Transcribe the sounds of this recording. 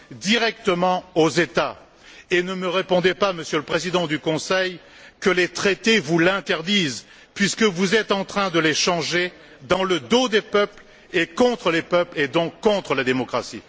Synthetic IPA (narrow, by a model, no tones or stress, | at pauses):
d̪iʁɛk̚t̪əmɑ̃ozet̪a | enəməʁepɔ̃d̪ɛpaməsjøləpχezid̪ɑ̃d̪ykɔ̃sɛj | kəlet̪χet̪evulɛ̃t̪ɛʁd̪iz | pɥiskəvuzɛt̪ɑ̃t̪χɛ̃d̪əleʃɑ̃ʒe | d̪ɑ̃ləd̪od̪epœpl | ekɔ̃t̪χəlepœpled̪ɔ̃kːɔ̃t̪χəlad̪emɔkχasḭ